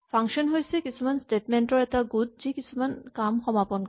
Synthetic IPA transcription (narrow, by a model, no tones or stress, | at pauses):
pʰaŋkʃɔnɦojsekisʰumansʈeʈmeɳʈɔɹɛtaɡud̪̚zikisʰumankamxɔmapɔn